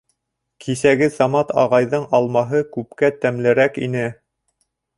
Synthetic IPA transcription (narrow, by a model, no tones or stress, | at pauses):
kʰisæɡɘsɑmɑt̪ɑʁɑjðɤɴʔɑlˠmɑɦɤkʉp̚kæt̪æmlɘ̆ɾækḭnɘ